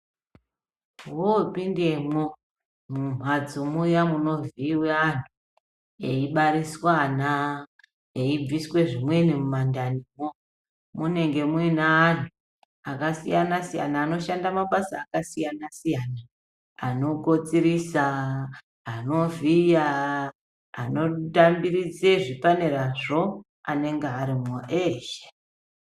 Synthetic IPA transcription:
wopinde̞mwo | mum̤wad͡zomujamuno̞viːweanʰu | eiɓaɾiswana | eib͡viswe̞ʐimwe̞nimumandanimo | mune̞ŋɡe̞mwinaːntu | akasijanasija̰naːno̞ʃandamaɓasaːkasijanasijana | ano̞ko̞t͡siɾisaː | no̞vija | ano̞tambirid͡zeʐipaneɾaʐo̞ | ane̞ŋɡeaɾimoʔeʃe̥

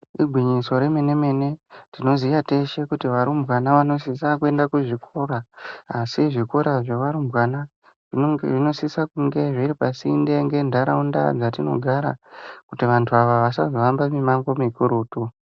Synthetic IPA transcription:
iɡʱwiɲiso̞ɾe̞me̞ne̞me̞ne̞tino̞zijate̞ʃe̞kutiʋaɾumbwanaʋano̞sisakue̞ndakuʐikʰo̞ɾaasiʐiko̞ɾaʐeʋaɾumbwana | ʐiʐino̞sisakuŋɡe̞ʐiɾipasindeŋɡe̞ndʱaɾaunda̰d͡zatino̞̰ɡʱaɾa̰kutiʋantʰuaʋaʋasazoʋambamimaŋɡo̞mikuɾuːtu

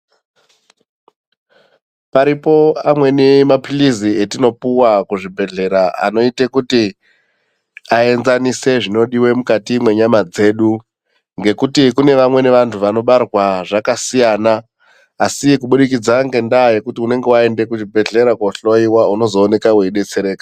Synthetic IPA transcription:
paɾipo̞amwe̞nemapilizie̞tino̞puwakuʐibʱe̞ɮe̞ɾaa̰no̞ite̞kuti | ae̞nzanise̞ʐino̞ɗiwe̞mukatimwe̞ɲamad͡ze̞ːɗu | ŋɡe̞kutikune̞ʋamwe̞ne̞ʋantʰuʋano̞ɓarwaʐakasijanaː | sikuɓuɗikid͡zaŋɡe̞ndaje̞kutiune̞ŋɡe̞wae̞nde̞kuʐibʱe̞ɮe̞ɾakwoɬo̞iwauno̞zo̞ːne̞kaweɗe̞t͡se̞ɾe̞ːka

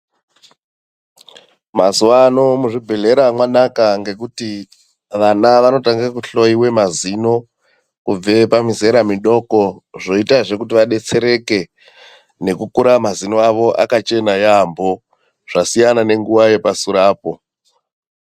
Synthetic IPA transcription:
mazuwano̞muʐibʱe̞ɮe̞ɾamwanakaŋɡe̞kuti | ʋanaʋano̞taŋɡakuɬo̞iwe̞mazino̞ | kub͡ve̞pamize̞ɾamiɗo̞ko̞ʐo̞itaʐe̞kutiʋaɗe̞t͡se̞ɾe̞ke̞ | ne̞kukuɾamazinoaʋo̞ʔa̰kat͡ʃe̞najambo̞ | ʐ̥asijanane̞ŋɡuʋaje̞pasuɾaːpo̞

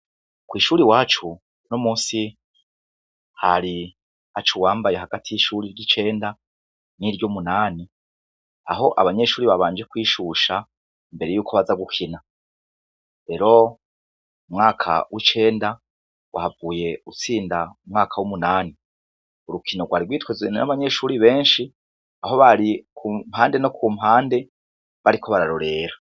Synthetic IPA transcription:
kwiːʃuːɾiwaːt͡ʃu | nomuːnsi | haɾi | at͡ʃuwaːmbaje̞ɦaɡatʰijiʃuɾiɾɟit͡ʃe̞ːnda | niɾɟomunaːni | aɦo̞ʔaβaɲe̞ʃuːɾiβaβaːnd͡ʒekwiːʃuʃa | imbe̞ɾejuːkʰoβazaɡukʰina | ɾe̞ɾo̞ | umŋaːkʰa̰wit͡ʃe̞ːnda | wʔahavuːje̞ut͡siːndaumŋaːkʰawumunaːni | uɾukʰinoɡwaːɾiɡwiːtwezwena̰βaɲe̞ʃuːɾiβe̞ːnʃi | aɦo̞βaɾikʰum̥haːnde̞no̞kʰumhaːnde̞ | βaɾikʰo̞βaɾaɾoɾe̞ɾa

